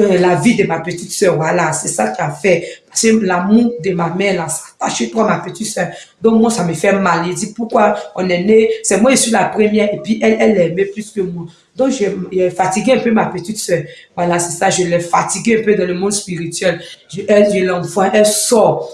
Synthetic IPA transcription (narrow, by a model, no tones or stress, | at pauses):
ɛlavid̪emapet̪it̪sɛvwalasɛsakiafɛpaskelamuʁd̪əmamɛ̃lasḁt̪aʃet̪wamapet̪it̪sɛ | d̪ɔ̃kmw̃ãsamefɛmaledipukwaɔ̃nɛnesɛmwɛ̃isilapʁemjɛepɥiʔɛlɛlɛmeplyskømw̃ɔ̃ | d̪ɔ̃kʒɛʒɛfat̪iɡeɛ̃pømapet̪id̪sœvwalasɛsaʒəlɛfat̪iɡeɛ̃pød̪ɑ̃lømɔ̃d̪spiʁit̪ɥɛlʒɛʒelɛ̃fwãʔɛlsɔ